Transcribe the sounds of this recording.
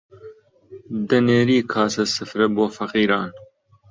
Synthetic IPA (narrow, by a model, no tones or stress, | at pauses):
d̪ɐneːɾiːkʰɑːsɐsɨfɾɐboːfɐqiːɾɑːn